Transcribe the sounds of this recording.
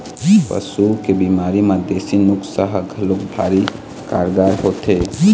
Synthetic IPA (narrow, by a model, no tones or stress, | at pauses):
pə̰sukebimaɾimad̪esinuksəɦɡʱəlukbʱa̰ːɾi | ka̰ɾɡaɾhot̪ʰe